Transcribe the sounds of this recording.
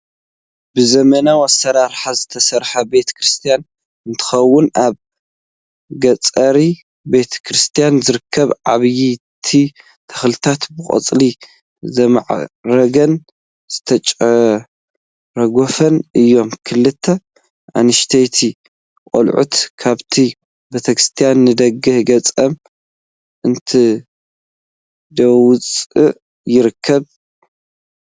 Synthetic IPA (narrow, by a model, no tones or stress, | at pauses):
bɨzɐmɐnawasːɐɾaɾħazɨt̪ʰɐsɐɾħɐbe̞t̪ʰɐ̥kɾɨst̪ʰijan | ɨnt̪ʰɨ̥xɐwːʊnʔaβ | ɡɐt͡sʼɐɾi | be̞t̪ʰɐ̥kʰɾɨst̪ʰijanzɨɾɨkʰːɐβʕaβji | t̪ʰi | t̪ʰɐ̥xlɨt̪ʰat̪bɨkʼɐ̰t͡sʼli | zɐma̰ʕɾɐɡɐn | z̥ɨt̪ʰɐt͡ʃʼɐ | ɾɐɡofɐnɨjːo̞mkʰɨlːɨt̪ʰːɐ | ʔa̰nɨʃt̪ʰet̪ʰi | kʼolʕṵt̪kʰaβt̪ʰi | bet̪ʰɐkɾɨ̥st̪ʰijanːɨd̪ɐɡɨhɡɐt͡sʼɐm | ʔɨnt̪ʰi | d̪ɐwʊt͡sʼɨ | jɪɾɨkʰːɐβ